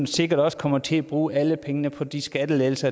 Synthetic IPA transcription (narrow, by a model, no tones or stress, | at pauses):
nse̝ɡ̥ɐɾ̥ɒ̽sə̥kʰɒ̽m̰ɐt͡sʰe̝æb̥ʁuːʔæləpʰeŋənəpʰɒ̽d̥isɡ̥æd̥əleːl̩sɐ